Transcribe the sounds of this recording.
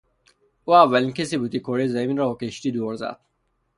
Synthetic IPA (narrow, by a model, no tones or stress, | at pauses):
uːævːælinkesiːbuːt̪ikʰoɾizæminɾɔɔkeʃt̪iːd̪oɾzæ̰d̪̥